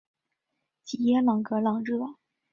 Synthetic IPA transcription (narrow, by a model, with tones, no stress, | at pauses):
t͡ɕʰi˨˩jɛ˥lɑ˨˩ŋkɤ˧˥lɑ˨˩ŋʈ͡ʂɻ̩˥˩ɑ˨˩˦ŋ